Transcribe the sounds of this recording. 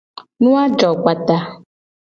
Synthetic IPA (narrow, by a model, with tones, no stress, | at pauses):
nũ˦a˦d͡ʒɔ˨k͡pa˨t̪a˨